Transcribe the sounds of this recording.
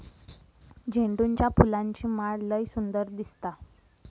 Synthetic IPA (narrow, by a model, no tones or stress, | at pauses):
d͡ʑeɳɖuɲt͡ɕjapulãɲt͡ɕiːmaɭləjsund̪əɾd̪ist̪a